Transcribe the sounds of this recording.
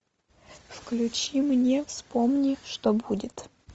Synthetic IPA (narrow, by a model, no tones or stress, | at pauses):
fklʲʉt͡ɕimnʲefspomnʲiʂt̪obudʲɪt̪